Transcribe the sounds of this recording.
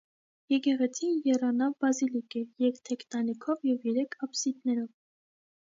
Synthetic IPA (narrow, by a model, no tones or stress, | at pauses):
jɛɡɛʁɛt͡sʰinjɛrɑnɑvbɑzilikɛjɛɛkt̪ʰɛkt̪ɑnikʰɔvjɛvjɛɾɛkʰɑpsid̪nɛɾɔv